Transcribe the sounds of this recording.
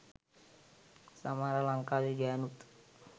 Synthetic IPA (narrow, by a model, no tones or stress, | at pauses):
samaɾalaŋkaliɡanut̪